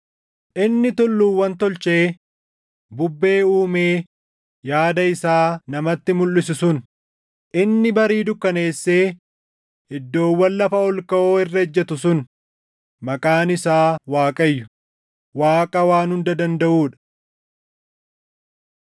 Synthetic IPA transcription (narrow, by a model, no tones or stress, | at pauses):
ʔɪnːɪt̪ʊlːuːwːɐnt̪ɔlt͡ʃe̞ː | bʊbːe̞ːuːmeː | jaːd̪ɐɪsaːnɐmɐt̪ːɪmʊlːɪs̬ɪsʊn | ʔɪnːɪbɐɾiːd̪ʊkːɐne̞ːsːeː | ɪd̪ːo̞ːwːɐnːɐfɐɔlkɐʔoːɪrːɛd͡ʒːɛt̪ʊsʊn | mɐkʼaːnɪsaːwaːkʼɐjːʊ̥ | waːkʼɐwaːnhʊnd̪ɐd̪ɐnd̪ɐʔuːᶑɐ̥